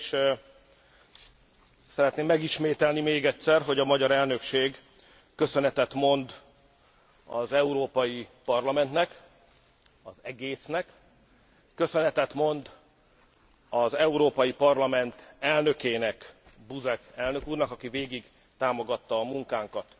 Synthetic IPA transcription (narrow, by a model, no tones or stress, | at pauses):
ʃ | sɛɾɛt̪neːmːɛɡiʃmeːt̪ɛlnimeːɡɛt̪sɛrɦo̞ɟɒmɒɟɒɾɛlnø̞kʃeːɡ | kø̞sønɛt̪ɛt̪mo̞nd̪ | ɒ̰zɛuɾoːpɒjipɒrlɒmɛnt̪nɛk | ɒzɛɡeːsnɛkː | ø̞sønɛt̪ɛt̪mo̞nd̪ | ɒzɛuɾoːpɒjipɒrlɒmɛnt̪ɛlnø̞keːnɛk | buzɛkɛlnø̞kuːrnɒkɒkiveːɡiɡ | t̪aːmo̞ɡɒt̪ːɒːmuŋkaːŋkɒt̪